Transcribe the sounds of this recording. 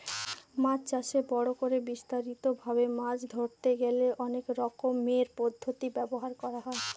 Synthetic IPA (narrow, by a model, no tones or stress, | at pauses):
mat͡ɕt͡ɕaʃebɔɽokoɾebist̪aɾit̪obʱaβemãd͡ʑd̪ʱoɾt̪eɡeleʔɔnekɾɔkomːeɾpɔd̪ʱːot̪ibɛboɦaɾkɔɾaɦɔe